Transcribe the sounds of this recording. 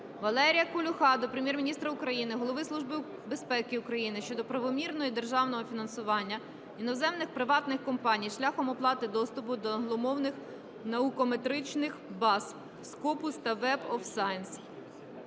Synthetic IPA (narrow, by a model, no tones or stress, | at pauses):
ʋɐlˠɛɾʲijɐkʊlʲʊxɑd̪ɔpɾemjɛrmʲinʲist̪ɾɐʊkɾɐjinɪɦɔlˠɔʋɪslˠuʒbɪ | be̞spɛkɪʊkɾɐjinɪʃt͡ʃɔd̪ɔpɾɐʋɔmʲirnɔjid̪e̞rʒɑwnɔɦɔfʲinɐnsʊʋɑnʲːɐ | inɔzɛmnɪxpɾɪʋɑt̪nɪxkɔmpɑnʲijʃlʲaxɔmɔplˠɑt̪ɪd̪ɔst̪ʊpʊd̪ɔɦlˠɔmɔwnɪx | nɐukɔmet̪ɾɪt͡ʃnɪxbɑs | skɔpʊst̪ɐʋɛbɔfsɑjns